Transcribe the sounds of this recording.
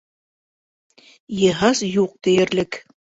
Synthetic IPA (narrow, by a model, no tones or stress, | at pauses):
jɤ̆ɦɑzjuq̚t̪ɘ̆jɘ̆ɾlɘk